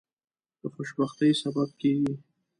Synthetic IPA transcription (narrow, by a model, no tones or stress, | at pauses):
d̪̥əxoʃbaxt̪əjsabab̚keɡi